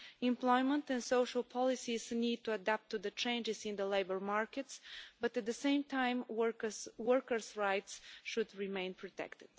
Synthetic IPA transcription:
ɪ̃mplɔɪmə̃ntɛ̃nsoʊʃəlˠpʰɑlˠɪsiznid̚tuadæp̚tːuðət͡ʃẽɪ̃nd͡ʒɪzɪ̃nd̪əleɪbəɹmaɹkɨtsbʌt̪æt̪̚d̪əsẽɪ̃mtʰãɪ̃mwəkswəɹkə˞sɹaɪtsʃʊd̪ɹimẽɪ̃npʰɹɔt̪ɛ̰ktɪd̥

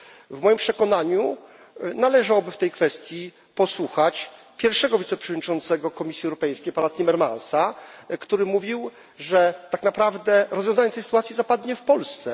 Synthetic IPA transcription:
vmɔjimpʂɛkɔnaɲu | nalɛʐawɔbɘft̪ɛjkfɛst̪ʲji | pɔswuxat͡ɕ | pʲjɛɾfʂɛɡɔvʲit̪sɛpʂɛvɔd̪ɲit͡ʂɔnt̪sɛɡɔkɔmʲisʲjiɛwɾɔpɛjskʲejpanat̪ʲimɛɾma̰nsakt̪uɾɘmuvʲiw | ʐɛt̪aknapɾavd̪ɛɾɔzvjɔ̃zaɲɛt̪ɛjsɘ̥t̪wat̪sʲjizapad̪ɲɛfpɔlst̪sɛ

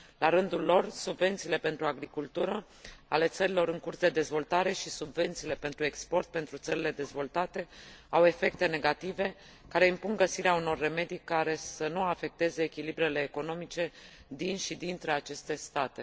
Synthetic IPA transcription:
laɾɨnd̪ulːo̞rsubve̞nt̪siːle̞pe̞nt̪ɾuaɡɾikult̪uɾə | ale̞t̪səɾilo̞ɾɨŋkursd̪e̞d̪e̞zvo̞lt̪aɾe̞ʃisubve̞nt̪siːle̞pe̞nt̪ɾuekspo̞rt̪̚pe̞nt̪ɾut̪səɾile̞d̪e̞zvo̞lt̪at̪e̞awe̞fe̞k̚t̪e̞ne̞ɡat̪ive̞ | kaɾe̞impuŋɡəsiɾeauno̞rːe̞me̞d̪ijkaɾe̞sənuafe̞k̚t̪e̞ze̞ːkʲilibɾe̞le̞ːko̞no̞mit͡ʃe̞d̪inʃid̪int̪ɾe̞at͡ʃe̞st̪e̞st̪at̪e̞

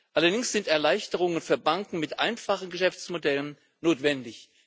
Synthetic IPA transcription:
ʔʔalɐdɪŋsz̥ɪntɛɐlaɪçtəʁ̞ʊŋənfyːɐbaŋkŋ̩mɪtʔaɪnfaχn̩ɡəʃɛft͡smodɛlən | noːtv̥ɛndɪç

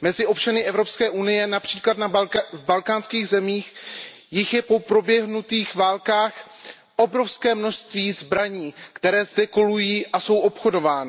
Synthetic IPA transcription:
mɛzɪʔo̞pt͡ʃanɪʔɛvɾo̞pskɛːʔunɪjɛnapr̥iːklat̪navbalkaːnskiːɣzɛmiːx | jɪxjɛpo̞pɾo̞bjɛɦnut̪iːxvaːlkaːx | ʔobɾo̞fskɛːmno̞ʃst̪viːzbɾaɲiːkt̪ɛɾɛːzdɛko̞lujiːʔaso̞wʔo̞pxo̞do̞vaːnɪ

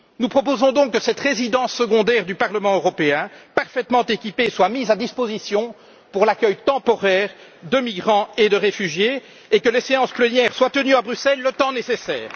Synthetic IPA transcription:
nupχɔp̬ozɔ̃d̪ɔ̃kːəsɛt̪ʁezid̪ɑ̃sːəɡɔ̃d̪ɛːʁd̪ypaʁləmɑ̃øʁɔpeɛ̃paʁfɛt̪mɑ̃t̪ekʲipeswamizad̪ispozisjɔ̃ | puʁlakʲœjt̪ɑ̃pɔʁɛːʁ | d̪əmiɡʁɑ̃ed̪əʁefyʒjeː | kəleseɑ̃splənjɛːʁswat̪ənyabʁysɛlːət̪ɑ̃nesesɛːʁ

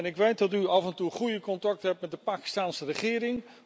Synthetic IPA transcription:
nɪkʋejt̚dɑtyɑvɛntuχujəkɔntɑk̚tɦɛp̚tmɛt̚dəpaːki̥staːnsərəχɪːɾɪŋ

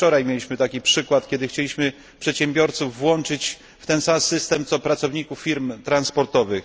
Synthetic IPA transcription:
t͡ʂɔɾajmʲjelʲiɕmɘt̪akʲipʂɘkwat̪kʲɛd̪ɘxt͡ɕelʲiɕmɘ | pʂɛt̪ɕɛmbʲjɔɾt̪suvːwɔnt͡ʂɘt͡ɕ | ft̪ɛnsamsɘst̪ɛmt̪sɔpɾat̪sɔvɲikufːʲiɾmt̪ɾanspɔɾt̪ɔvɘx

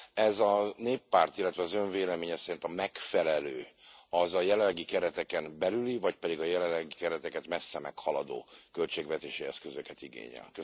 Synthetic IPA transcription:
ɛzɒneːpːaːrt̪ilːɛt̪vɛɒzø̞ɱveːlɛmeːɲɛsɛɾint̪ɒmɛkfɛlɛløːɒzɒjɛlɛlːɛɡikɛɾɛt̪ɛkɛmbɛlylivɒcpɛd̪iɡɒjɛlɛlːɛɡikɛɾɛt̪ɛkɛt̪mɛsːɛmɛkhɒlɒd̪o̰ːkølt͡ʃeːɡvɛt̪eːʃiɛskøzøkɛt̪iɡḛːɲɛ̰lkø

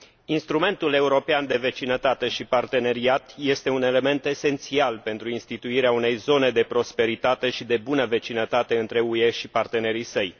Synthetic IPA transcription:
inst̪ɾume̞nt̪ule̞uɾo̞peand̪e̞ve̞t͡ʃinət̪at̪e̞ʃipart̪e̞ne̞ɾiat̪je̞st̪e̞une̞le̞me̞nt̪e̞se̞nt̪sialpe̞nt̪ɾuinst̪it̪uiɾeaune̞jzo̞ne̞d̪e̞pɾo̞spe̞ɾit̪at̪e̞ʃid̪e̞bunəve̞t͡ʃinət̪at̪e̞ɨnt̪ɾe̞ue̞ʃipart̪e̞ne̞ɾijsəj

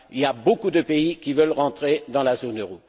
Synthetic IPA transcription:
iljabokud̪əpeikʲivœlʁɑ̃t̪χed̪ɑ̃lazonøʁo

